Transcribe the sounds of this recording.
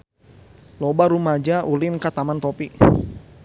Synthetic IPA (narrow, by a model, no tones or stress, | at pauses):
lɔbaɾumad͡ʒaʔulɪnkat̪amant̪ɔpi